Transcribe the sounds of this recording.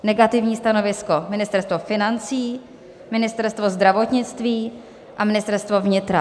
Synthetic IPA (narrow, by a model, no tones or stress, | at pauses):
nɛɡat̪ɪvɲiːst̪ano̞vɪsko̞mɪnɪst̪ɛɾst̪vofɪnant͡siː | mɪnɪst̪ɛɾst̪vozd̪ɾavo̞t̪ɲɪt͡st̪viː | ʔamɪnɪst̪ɛɾst̪vo̞vɲɪt̪ɾa